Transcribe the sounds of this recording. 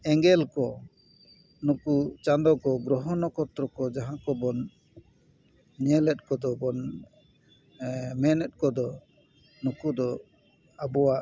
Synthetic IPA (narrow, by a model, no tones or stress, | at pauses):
ɛŋɡɛlkɔ | nukut͡ʃand̪ɔkɔɡɾɔɦɔnɔkɔt̪ɾɔkɔd͡ʒaɦãkɔbɔn | ɲɛlɛt̪̚kɔd̪ɔbɔn | mɛnɛt̪̚kɔd̪ɔ | nukud̪ɔ | abɔwaʔ